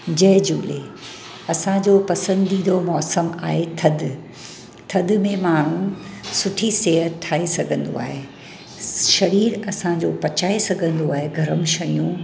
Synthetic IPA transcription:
d͡ʑɐɦɪd͡ʑṵːle | ɐsãd͡ʑoːpɐsə̃nd̪id̪omɔːsəmaːɦet̪ʰɐd̪ | t̪ʰɐd̪̆mẽmaːɽ̤ũsʊʈʰiseːɦəʈʰaːesɐɡʱə̃nd̪o̰a̰ːɦe | ʃɐɾiːɾɐsãd͡ʑoːpɐt͡ɕaːesɐɡʱə̃nd̪oaːɦeɡʱɐɾəmʃɐjũ

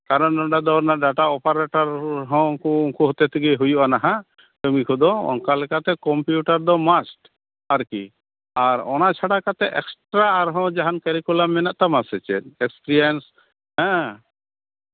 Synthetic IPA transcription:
kaɾɔnɖɔɳɖad̪ɔɾnaɖaʈaɔpaɾɛʈɔɾɦɔ̃kuuŋkuɦɔt̪et̪ʰiɡeɦujuʔanaɦã | t̪ɔmikʰud̪ɔɔ̰ŋkalɛkat̪ɛkɔmpjuʈaɾd̪ɔmasʈ | aɾki | aɾɔ̰nat͡ʃʰaɽakat̪ɛʔɛksʈɾaːɾɦɔ̃d͡ʒaɦankɛɾikulamːɛnaʔt̪amasɛt͡ʃɛt̪ɛkspɾiens | ɦɛ̃

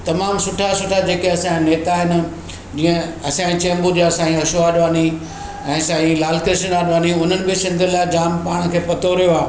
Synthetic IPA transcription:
t̪ɐmaːmsʊʈʰasʊʈʰad͡ʑeːkeɐsãneːt̪aɦɪnɪ̆ | d͡ʑiːə̃ɐsãːĩt͡ɕẽːmbud͡ʑasãːĩɦɐʃoaːɗʋaːni | ɛ̃ːsaːĩlaːlkɾɪʃənaːɗʋãːniʊn̤ənɪ̆bɪsɪ̃nd̪ʱʊlaɪd͡ʑaːmpaːɽ̃kʰeːpɐt̪oɾijoaː

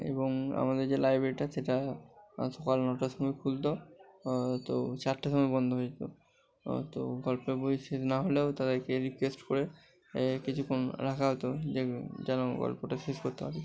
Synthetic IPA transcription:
ḛboŋa̰mad̪eɾd͡ʑelajbɾeɾiʈaʃeʈa | ʃɔkalnɔʈaʃɔmɔjkʰult̪o | t̪ot͡ɕaʈːaʃɔmajbɔnd̪ʱoɦojit̪o̰ | t̪o̰ɡɔlpebojʃetnaɦoleot̪ad̪eɾkeɾikwesʈkoɾe | kit͡ɕʰukʰːonɾakʰaɦot̪od͡ʑed͡ʑanoɡɔ̰lpoʈaʃeskoɾt̪eabe

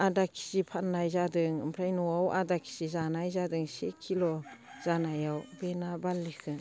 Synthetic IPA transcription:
adakʰi̥sipʰanːajzadɯŋɯ̰mpʰɾajnɔawʔa̰dakʰi̥sizanajzadɯŋsekʰːilɔz̥anajawbenabalːikʰɯn

